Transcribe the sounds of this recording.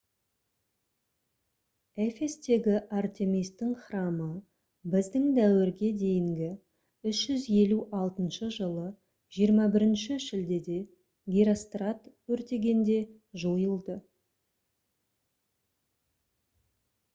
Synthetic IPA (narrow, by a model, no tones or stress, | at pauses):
efe̞st̪e̞ɡʲɪʔart̪emijst̪ːɪŋχrɑmə | bɪzd̪ɪŋd̪æwɪɾɡʲe̞d̪e̞jɪŋɡʲɪ | ʏʃʒʏzje̞luʔɑlˠt̪ənʃəʒəlˠə | ʒ̥ijəɾmɑbɪɾɪnʃɪʃɪld̪e̞d̪e̞ | ɡʲiɾost̪rat̪wɵɾt̪e̞ɡʲe̞nd̪e̞ | ʒojəlˠd̪ə